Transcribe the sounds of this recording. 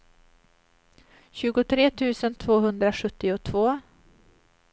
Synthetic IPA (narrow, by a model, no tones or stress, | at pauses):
ɕʉ̟ːɡʊt̪ʰɾeːt̪ʰʉ̟ːsənt̪ʰvoːɦɵnd̪ɾaɧɵt̪ːɪʊt̪ʰvoː